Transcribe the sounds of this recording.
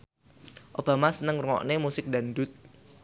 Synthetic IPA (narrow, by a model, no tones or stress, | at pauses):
ʔob̥a̤masənəŋruŋɔ̰ʔnemusɪk̚danɖʊt̪̚